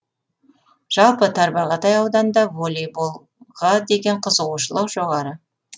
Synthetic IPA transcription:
ʒ̥ɑlˠpət̪ʰɑɾbɑʁɑt̪ʰɑjɑwd̪ɑnd̪ɑvolʲijbolˠ | ʁɑd̪e̞ɡʲe̞ɴqʰəzəʁuʃəlˠɑwʒo̞ʁɑɾə

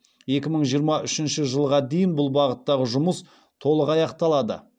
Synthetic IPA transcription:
e̞kʲɪməɴʒijəɾmɑʔʏʃɪnʃəʒəlˠʁɑd̪e̞jɪnbʊlˠbɑʁət̪ːɑʁəʒʊməs | t̪ʰo̞lˠəqɑjɑqt̪ɑlˠɑd̪ə̰

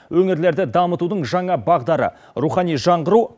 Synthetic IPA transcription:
wɵŋɪɾle̞ɾd̪ɪd̪ɑmət̪ud̪əɴʒɑɴɑbɑʁd̪ɑɾə̰ | ɾuχɑnijʒɑɴʁəɾu

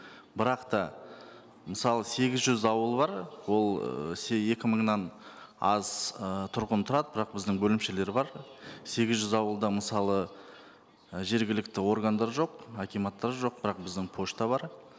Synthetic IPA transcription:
bɪɾɑqt̪ɑ | məsɑlˠəse̞ɡʲɪzʒʏzɑwəlˠbɑɾwo̞lˠsee̞kʲɪməɴnɑn | ɑzət̪ʰʊɾqənt̪ʰʊɾɑd̪əbɪɾɑq̚bɪzd̪ɪŋbɵlɪmʃe̞le̞ɾbɑɾse̞ɡʲɪzʒʏzɑwəlˠd̪əməsɑlˠə | ʒe̞ɾɡʲɪlɪk̚t̪ɪwo̞ɾɡand̪ɑɾʒo̞qakʲijmɑt̪ːɑɾʒo̞q̚bɪɾɑq̚bɪzd̪ɪŋpʰo̞ʃt̪ɑβɑɾ

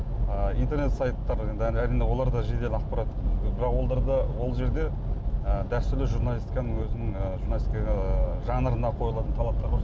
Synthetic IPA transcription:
əijnt̪e̞ɾne̞t̪sɑjt̪ːɑɾed̪æɾijne̞wo̞lˠɑɾd̪ɑʒe̞d̪e̞lɪɑqpɑɾɑt̪ːkʲned̪ɪbɪɾɑqwo̞lˠd̪ɑɾd̪ɑwo̞lˠʒe̞ɾd̪e̞ | əd̪æst̪ʏɾlɪʒuɾnɑlʲist̪ikɑnəŋwɵzɪnɪŋəʒuɾnalist̪ikʒɑnəɾənɑqʰo̞jlˠɑt̪ənt̪ʰɑlˠɑp̚t̪ɑɾbo

